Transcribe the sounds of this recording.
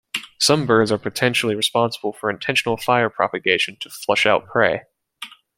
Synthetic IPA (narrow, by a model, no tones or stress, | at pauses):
sʌ̃mbɜ˞dzə˞pʰɨtʰɛ̃nʃl̩ˠiɹɨspɑ̃nsəbl̩ˠfə˞ɨ̃ntʰɛ̃nʃn̩l̩ˠfaɪə˞pʰɹ̥ɑ̰pɨɡeɪʃɨ̃n̩tʰəflʌʃaʊt̚pʰɹ̥eɪ